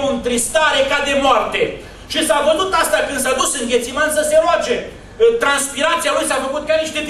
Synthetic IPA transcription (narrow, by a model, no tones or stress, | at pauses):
uɨnt̪ɾist̪aɾe̞kad̪e̞moart̪e̞ | ʃisavənut̪ast̪akɨnd̪sad̪usɨŋɡʲe̞t̪simansəse̞ɾoat͡ʃe̞ | t̪ɾanspiɾat̪sialujsafəkut̪̚kʲaniʃt̪e̞t̪